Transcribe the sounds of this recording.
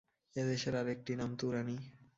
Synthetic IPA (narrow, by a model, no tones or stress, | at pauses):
ed̪eʃeɾaɾek̚ʈinamt̪uɾani